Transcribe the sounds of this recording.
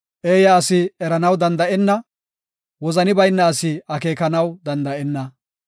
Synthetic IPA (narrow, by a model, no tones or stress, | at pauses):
ʔeːjɐːsɪɛɾɐnɐwd̪ɐnd̪ɐʔɛnːɐ | wɔzɐnɪbɐjnːɐːsɪɐke̞ːkɐnɐwd̪ɐnd̪ɐʔɛnːɐ